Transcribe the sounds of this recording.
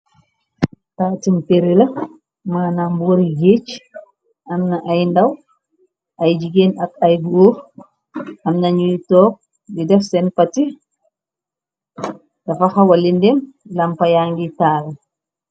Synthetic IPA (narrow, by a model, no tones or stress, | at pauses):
taːtimpeɾilɐ | maːnamboɾiɡet͡ʃ | amnɐʔajndaw | ʔajd͡ʒiɡeːnɐkɐjbo | ɐmnɐɲujtɔːk̚ | didɛfsɛnpɐti | tɐfaxɐwɐlindɛmlɐmpɐjaŋɡitaːlɐ